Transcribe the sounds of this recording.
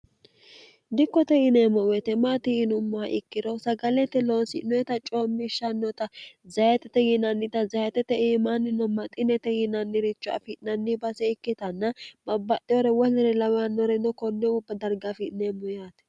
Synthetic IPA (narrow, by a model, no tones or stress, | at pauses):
d̪ɪkːɔt̪ɛjɪnemːɔwɛt̪ɛmaːt̪ɪjɪnʊmːʊaʔɪkːɪd̪ɔsɐɡɐlɛt̪ːɛlo̞ːsɪnɔjɛt̪ɐt͡ʃʼoːmːɪʃɐnːɔt̪ɐzɐjɛt̪ɛt̪ɛjɪnɐnːɪt̪ɐzɐjɛt̪ɛt̪ɛiːmanːɪnɔmɐt̪ʼɪnɛt̪ɛjɪnɐnːɪɾɪt͡ʃːʊɐ̰fɪtnɐnːɪbɐsɛɪkːɪt̪ɐnːɐbɐbːɐʔɪɔɾɛwɔlɛɾɛlɐwanːɔɾɛnɔkɔnːɛʊbːɐd̪ɐɾɡafɪʔneːmːɔjaːt̪ɛ̥